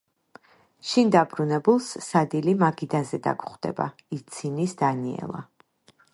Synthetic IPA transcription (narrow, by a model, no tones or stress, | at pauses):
ʃind̪abɾunɛbulˠssad̪ilimaɡid̪azɛd̪a̰ɡχd̪ɛ̰ba̰ | it̪sʰinisd̪aniɛ̰lˠa